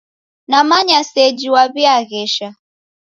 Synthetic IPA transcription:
namaɲasɛd͡ʒiwaβiaɣɛʃa

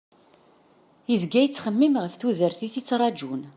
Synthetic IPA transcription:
izɡæjət͡sːχəmːimʁəfθuðəɾθiθit͡sːɾˤɑd͡ʒun

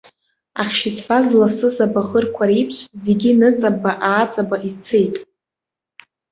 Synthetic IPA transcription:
aχʲʃɪt͡sʰfazlasɨzabaʁərkʷʰaripʰɕzeɡʲinɨt͡sʼabaʔaːt͡sʼabaʔit͡sʰejtʼ

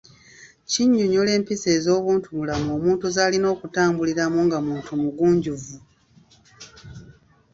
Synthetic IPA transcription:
ciɲːoɲole̞ːmpise̞ːzo̞ːβuːntumulamo̞ːmuːntuzaːlino̞ːkutaːmbuliɾamuŋɡamuːntumuɡuːɲɟuvu

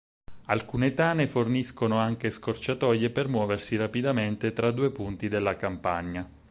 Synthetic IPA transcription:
alkuːnet̪aːneforniskonoaŋk̟eskort͡ʃat̪ɔːjepermwɔːversiɾapid̪ament̪et̪ɾad̪ːuːepunt̪id̪elːakampaɲːa

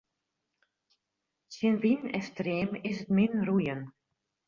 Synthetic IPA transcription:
sɪnvinɛ̰streːmɪsətmɪnrujən

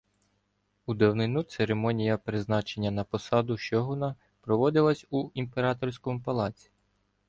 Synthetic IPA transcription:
ud̪ɐwnɪnut̪seɾemɔnʲijɐpɾɪznɑt͡ʃe̞nʲːɐnɐpɔsɑd̪ʊʃt͡ʃɔɦɔnɐ | pɾɔʋɔd̪ɪlˠɐsʲuimpe̞ɾɑt̪ɔrsʲkɔmʊpɐlˠɑt͡sʲi̥

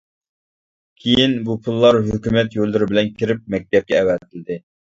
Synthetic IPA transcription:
kʲʰejinbupʰulˠːɑɾɦøkʲymɛt̪jolˠːɨɾɪbɪlɛnkʲʰiɾɪp̚mɛk̚ʲt̪ɛp̚kʲɛːwɛt̪ʰɪlɪd̪ɪ

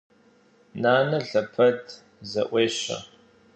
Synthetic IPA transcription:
naːnɐɬɐpʰɐdʰ | zɐ̰ʔʷeːɕɐ̰

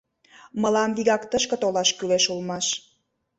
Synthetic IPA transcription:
mə̆lɑmβiɣɑkt̪əʃkə̆t̪olɑʃkyleʃulmɑʃ

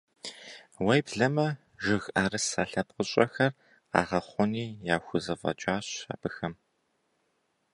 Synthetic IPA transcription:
wɐjbɮɐmɐ | ʒɪɣaːɾɨsaːɬɐpqəɕʼɐxɐr | a̰ːʁɐχʷɔniːjaːxʷʊzɐfʼɐ̰t͡ʃʼaːɕa̰ːbɨxɐm

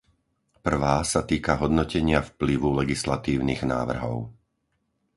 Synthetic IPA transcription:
pr̩ʋaːsat̪iːkaɦɔd̪nɔcɛɲɪafpliʋulɛɡislat̪iːʊniːɣna̰ːʋr̩ɦɔ̰ʊ

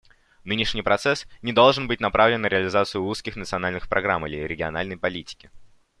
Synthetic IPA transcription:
nɨnʲɪʂnʲɪjpɾɐt̪sɛsnʲɪd̪olˠʐɨnbɨtʲnɐpɾavlʲɪnːəɾʲɪəlʲɪzat̪sɨjʊuskʲɪxnət̪sɨɐnalʲnɨxpɾʔɐɡɾamilʲɪɾʲɪɡʲɪɐ̰na̰lʲnəjpɐlʲitʲɪ̥kʲɪ

